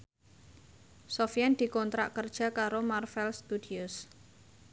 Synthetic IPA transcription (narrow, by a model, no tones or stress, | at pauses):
sofijɛnd̪̥i̤kɔnt̪ɾa̰ʔkərd̥ʒ̥a̤kaɾomarfɛlst̪udiʊs